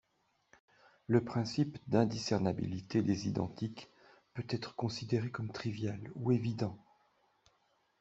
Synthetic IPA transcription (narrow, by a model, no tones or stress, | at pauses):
ləpχɛ̃sipd̪ɛ̃d̪isɛʁnabḭlit̪ed̪ezid̪ɑ̰̃t̪ik | pøt̪ɛt̪χə̥kɔ̃sid̪eʁekɔmt̪χivjalṵevid̪ɑ̃